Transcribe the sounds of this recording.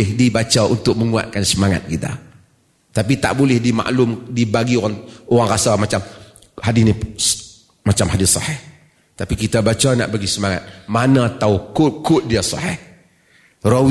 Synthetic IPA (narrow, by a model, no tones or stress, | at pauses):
ɪhdibat͡ʃaʔunt̪ʊk̚məŋua̰t̪̚kansəmaŋa̰t̪̚kit̪a̰ | t̪ap̬it̪a̰ʔbolɪhdima̰ʔlʊmdibaɡioɣaŋoɣaŋrasamat͡ʃam | hadini | mat͡ʃamhadɪsɑ̰hɛh | t̪apikit̪abat͡ʃana̰ʔbaɡisəmaŋa̰t̪̚manat̪aukʊkʊt̪̚diasɑ̰hɪh | ro